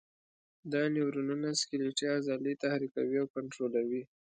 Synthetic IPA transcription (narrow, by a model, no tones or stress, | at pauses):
d̪ɑnewɾununaskɪleʈjɑzɑlit̪ahɾika̰wiawkaɳʈɾolawi